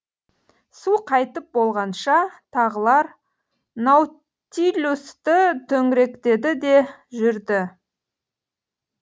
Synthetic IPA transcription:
suqʰɑjt̪əp̚bo̞lˠʁɑnʃɑt̪ʰɑʁəlˠɑɾ | naw | t̪ilʲust̪ɪt̪ʰɵŋɪɾe̞kt̪e̞d̪ɪd̪e̞ʒʏɾd̪ɪ

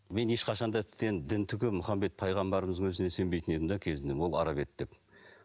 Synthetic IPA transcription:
me̞nje̞ʃqɑʃɑnd̪ɑt̪ʰɪ̥t̪ːend̪ɪnt̪ʰʏkʲɪmʊχɑmbe̞t̪̚pʰɑjʁɑmbɑɾəməzəŋwɵzɪnese̞mbe̞jt̪ɪnet̪ɪnd̪ɑkʲʰe̞zɪnd̪ewo̞lˠɑ̰ɾɑβe̞t̪d̪̥e̞p

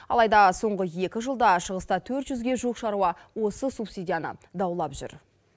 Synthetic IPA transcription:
ɑ̰lˠɑjd̪ɑso̞ɴʁəje̞kʲɪʒəlˠd̪ɑʃəʁəst̪ɑt̪ʰɵɾt̪ʒʏzɡʲe̞ʒuqʃɑɾuɑ | wo̞səsupsʲidʲijanə̰d̪ɑwlˠɑpʒʏ̰ɾ

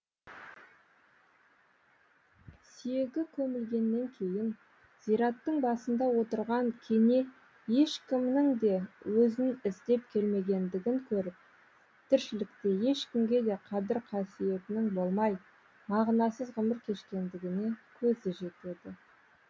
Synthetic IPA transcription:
sijeɡʲɪkʲʰɵmɪlɡʲe̞nːe̞ŋkʲʰe̞jɪn | z̥ijɾɑt̪ːəɴbɑsənd̪ɑwo̞t̪əɾʁɑŋkʲʰe̞ne̞ | je̞ʃkʲɪmnɪŋd̪e̞wɵzɪnɪzd̪e̞p̚kʲʰe̞lme̞ɡʲe̞nd̪ɪɡʲɪŋkʲʰɵɾɪp̚ | t̪ʰɪɾʃɪlɪkt̪e̞je̞ʃkʲɪmɡʲe̞d̪e̞qʰɑd̪ɪɾqʰɑsije̞t̪ɪnɪŋbo̞lˠmɑj | mɑʁnɑsəzʁəmɪɾkʲʰe̞ʃkʲe̞nd̪ɪɡʲɪne̞kʲʰɵzɪʒe̞t̪e̞d̪ɪ

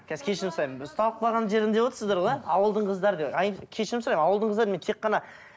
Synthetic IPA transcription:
kʲʰæzɪkʲʰe̞ʃɪɾɪmsoɾɑjməst̪ɑlˠəq̚bɑʁɑnʒe̞ɾɪnd̪e̞wo̞t̪əɾsəzd̪ɑɾolˠeɑwəlˠd̪əɴqʰəzd̪ɑɾəd̪eɑjkʲʰe̞ʃɪɾɪmsʊɾɑjmɑwəlˠd̪əɴqʰəzd̪ɑɾment̪ʰeqːɑnɑ

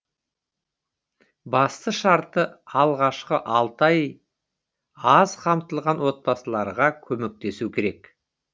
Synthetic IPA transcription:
bɑst̪əʃɑɾt̪əɑlˠʁɑʃqəʔɑlˠt̪ɑj | ɑzqʰɑmt̪əlˠʁɑnwo̞t̪̚bɑsəlˠɑɾʁɑkʲʰɵme̞k̚t̪e̞sukʲʰe̞ɾe̞k

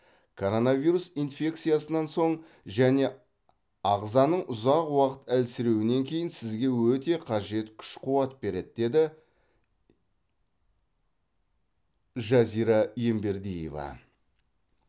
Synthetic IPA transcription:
kʰo̞ɾo̞nɑvʲiɾusinfʲe̞kt̪sɨjɑsənɑnso̞ɴ | ʒæne̞ | ɑʁzɑnəɴʔʊzɑqwɑqət̪ælsɪɾe̞wɪne̞ŋkʲʰe̞jɪnsɪzɡʲe̞wɵt̪e̞qʰɑʒe̞t̪kʲʰʏ̥ʃqʰʊwɑt̪̚be̞ɾe̞d̪̚d̪e̞d̪ɪ | ʒɑzijɾɑje̞mbe̞ɾd̪ijḛvɑ̰

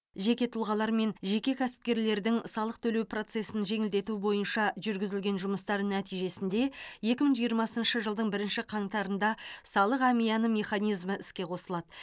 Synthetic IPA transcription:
ʒe̞kʲe̞t̪ʰʊlˠʁɑlˠɑɾme̞nʒe̞kʲe̞kʲʰæsɪ̥p̚kʲe̞ɾle̞ɾd̪ɪŋsɑlˠəq̚t̪ʰɵle̞wpro̞t̪se̞sɪnʒe̞ŋɪld̪e̞t̪ubo̞jənʃɑʒʏɾɡʲɪzɪlɡʲe̞nʒʊməst̪ɑɾənæt̪ijʒe̞sɪnd̪e̞je̞kʲɪməɴʒijəɾmɑsənʃəʒəlˠd̪əɴbɪɾɪnʃɪqʰɑɴt̪ɑɾənd̪ɑsɑlˠəqæmijɑnəme̞χɑnijzməʔɪskʲe̞qʰo̞səlˠɑd̪ə

